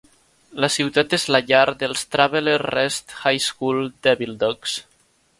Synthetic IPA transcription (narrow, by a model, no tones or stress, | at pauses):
ləsiwt̪at̪ezlaʎaɾd̪əlˠst̪ɾaβeleɾrɛst̪hajskulˠd̪ɛβilˠd̪ɔks